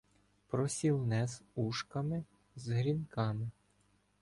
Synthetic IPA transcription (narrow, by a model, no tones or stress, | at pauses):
pɾɔsʲilˠnɛzuʃkɐmɪ | zɦɾʲinkɑmɪ